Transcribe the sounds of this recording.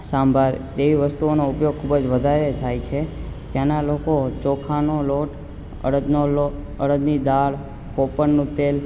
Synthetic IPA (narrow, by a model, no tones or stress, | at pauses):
sãmbʱaɾd̪eʋiʋəst̪uonoupjoɡ̚kʰubd͡ʒʋəd̪ʱaɾet̪ʰajt͡ʃʰet̪janalokot͡ʃokʰanoloʈ | ə̰ɽəd̪nolo | əɽəd̪nid̪aɭ | popəɳnũt̪el